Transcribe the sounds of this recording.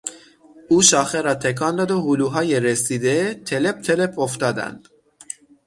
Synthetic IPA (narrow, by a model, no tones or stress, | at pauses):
uːʃɒːxeɾɒːt̪ʰekʰɑːnd̪ɒːd̪ohuluːɦɒːjeɾesiːd̪et̪ʰele̞p̚t̪ʰelepʰoft̪ɒːd̪æ̰nd̪̥